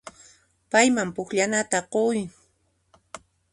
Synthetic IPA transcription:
pajmampʊkʎanat̪aqoj

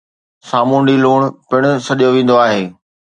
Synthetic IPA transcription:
saːmũːɳɖiloːɽ̃pɪɽ̃ʊ̆sɐɗijoʋẽːn̆d̪oaːɦeː

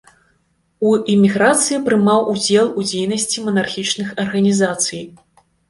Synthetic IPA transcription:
uimʲiɣɾat̪sɨjipɾɨmawʔud͡zʲɛlˠud͡zʲejnɐsʲt͡sʲimɐnarxʲit͡ʂnɨxɐrɣɐnʲizat̪sɨj

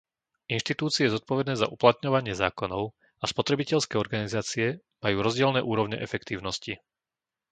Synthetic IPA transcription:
inʃt̪it̪uːt͡siɛɛzɔt̪̚pɔʋɛd̪nɛːzaʔuplat̪ɲɔʋaɲɪɛzaːkɔnɔʊ | aspɔt̪ɾɛbicɛʎskɛːɔɾɡanizaːt͡siɛ | majuːɾɔzɟɪɛlnɛːʔuːɾɔʊɲɛ̰ʔɛfɛkt̪iːʊnɔsci

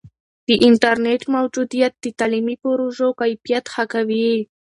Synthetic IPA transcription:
d̪̥iʔint̪aɾnet̪mawd͡ʒud̪ijat̪̚d̪it̪alimipuɾuʒokajpjat̪xakaβii

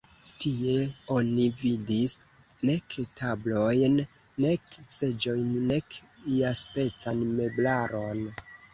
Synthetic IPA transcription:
tie̞o̞nividis | ne̞ktʰablo̞jnː | e̞kse̞d͡ʒo̞jnːe̞k | iaspe̞t͡sanme̞blaɾo̞n

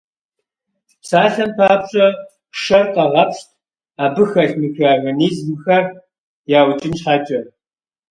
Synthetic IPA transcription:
psaːɬɐmpʰaːpɕʼɐ | ʂɐrqʼɐʁɐpʃt̚ʰʼ | aːbɨxɐɬmɨxaːɣɐniːzmɨxɐr | jaːwt͡ʃʼɪnʃħaːt͡ʃʼɐ

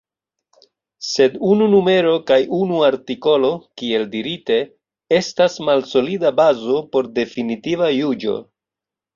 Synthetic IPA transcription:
se̞dununume̞ɾo̞kajunuaɾtiko̞lo̞kie̞ldiɾite̞ | e̞stasmalso̞lidabazo̞po̞ɾde̞finitivajud͡ʒo̞̰

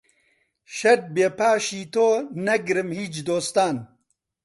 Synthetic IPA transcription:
ʃɐd̪̚beːpaːʃiːt̪oːnɐɡɾɨmhiːt͡ʃd̪oːst̪aːn

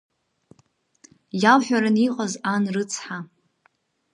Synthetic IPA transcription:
jalħʷᶣaɾaniqʼazanrɨt͡sʰħa

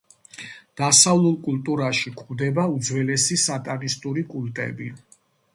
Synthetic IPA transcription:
d̪̥asavlˠulˠkʼult̪ʼuɾaʃikʰmd̪ɛbaud̪zwɛlɛsisat̪ʼanist̪ʼuɾikʼult̪ʼɛ̰bi

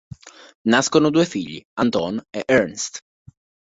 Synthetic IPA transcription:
naskonod̪uːefiʎːḭant̪ɔneʔɛɾnst̪

